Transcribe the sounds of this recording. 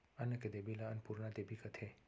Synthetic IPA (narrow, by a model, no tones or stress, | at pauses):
anəked̪ebilaənpuɾnad̪ebʱikət̪ʰe